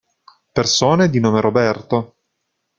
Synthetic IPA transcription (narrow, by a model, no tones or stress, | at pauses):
persoːned̪inoːmeɾobɛrt̪o